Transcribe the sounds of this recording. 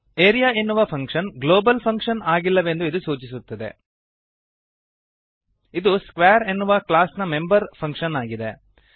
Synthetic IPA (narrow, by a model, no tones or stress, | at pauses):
eːɾijaːenːuʋɐpʰɐŋkʂɐnɡlo̞ːbɐlpʰɐŋkʂɐnaːɡilːɐʋe̞nd̪uid̪usuːt͡ʃisut̪ːɐd̪e̞̰ | id̪uskʋaːɾenːuʋɐklaːsnɐme̞mbɐɾpʰɐŋkʂɐnaːɡid̪e̞